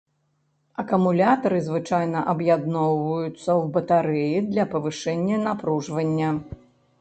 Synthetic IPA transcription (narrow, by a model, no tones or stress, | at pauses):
ɐkumulʲat̪ɐɾɨzvɨt͡ʂajnɐʔɐbjad̪nɔwvɐjut̪sːɐwbɐt̪aɾɛjid̪lʲɐpɐvɨʂɛnʲːɐnapɾuʐvɐnʲːɐ